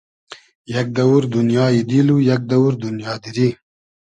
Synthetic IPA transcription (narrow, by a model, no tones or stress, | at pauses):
jɐk̚d̪ɐwuɾd̪unjɑːjid̪ilujɐk̚d̪ɐwuɾd̪unjɑːd̪iɾi